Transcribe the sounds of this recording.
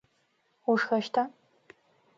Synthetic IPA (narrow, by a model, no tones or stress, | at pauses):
uʂxɐʃtʰaː